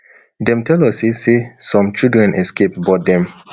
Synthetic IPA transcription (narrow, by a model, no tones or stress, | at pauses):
dɛ̃mtʰɛlɔsesesɔ̃mt͡ʃidɹɛ̃nʔɛskepbɔt̚dɛ̃m